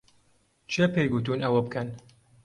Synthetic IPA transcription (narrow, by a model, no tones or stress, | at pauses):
t͡ʃʰepejɡut̪unɐwɐbɨkʰɐn